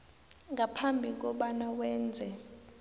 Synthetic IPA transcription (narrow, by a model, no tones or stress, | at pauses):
ŋɡapʰambʱik̬ɔɓanawɛːnd͡zʱɛ